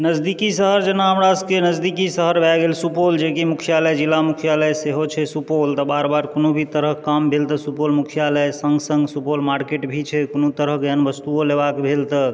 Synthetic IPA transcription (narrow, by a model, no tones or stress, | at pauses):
nəd͡ʒd̪ikisəɦəɾd͡ʒənaɦəmɾaskenəd͡ʒd̪ikisəɦəɾbʱɛɡelsupold͡ʒekimukʰijaləjd͡ʒilamukʰijaləjseɦot͡ʃʰɛsupolt̪əbaɾbaɾkonobʱit̪əɾəɦkambʱelt̪əsupolmukʰijaləjsəŋɡsə̃ŋɡsupolmaɾkeʈbʱit͡ʃʰɛkonot̪əɾəɦkənbəst̪uolebakbʱelt̪ə